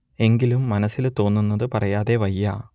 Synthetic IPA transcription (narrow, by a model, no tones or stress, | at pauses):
e̞ŋɡilumːɐnɐsːilt̪o̞ːnːunːɐðɨpɐrɐjaːðe̞ʋɐjːaː